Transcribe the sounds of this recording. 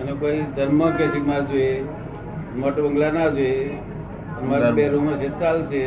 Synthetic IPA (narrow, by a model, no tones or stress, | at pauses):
ənekoid̪ʱəɾməkesikmaɾd͡ʒoe | moʈbəŋɡlanad͡ʒoe | əmaɾabeɾuməʃet̪t͡ʃalse